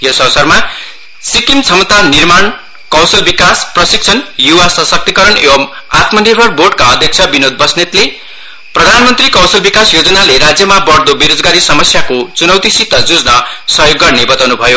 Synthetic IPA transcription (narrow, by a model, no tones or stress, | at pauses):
josʌwsʌrma | sikimt͡sʰʌmt̪anirman | kʌ̃w̃sʌlbikasprʌsik̚t͡sʰʌnjuwasʌsʌk̚t̪ikʌɾʌnḛwʌm | at̪mʌnibʱʌrborɖkaʌd̪ʱjʌk̚t͡sʰʌbinod̪̚bʌsnet̪le | prʌd̪ʱanmʌnt̪rikʌ̃w̃sʌlbikasjod͡zʌnaleɾad͡zjʌmabʌɽd̪obiɾod͡zɡaɾisʌmʌsjakot͡sunʌwt̪isit̪ːʌd͡zud͡znʌsʌɦjoɡːʌrnebʌt̪awnubʱʌjo